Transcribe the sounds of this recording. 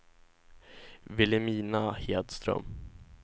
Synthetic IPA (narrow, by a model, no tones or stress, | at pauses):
vɪlɪmiːnaheːd̪st̪ɾœ̰m